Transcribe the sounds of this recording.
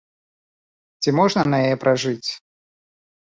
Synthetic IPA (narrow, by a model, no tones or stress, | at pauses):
t͡sʲimɔʐnɐnɐjɐjɛpɾʔɐʐɨt͡sʲ